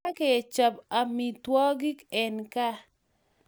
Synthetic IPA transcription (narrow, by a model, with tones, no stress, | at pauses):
a˦ke˨t͡ʃa˨pa˨mi˨twɔ˦ɡi˦kɛ˨nka˦